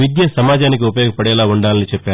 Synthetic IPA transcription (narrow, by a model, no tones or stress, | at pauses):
id̪jɐsɐmaːd͡ʒaːnik̬iupɐjoɡɐpɐɽɛːlaːuɳɖaːnɐnit͡ʃɛpːaː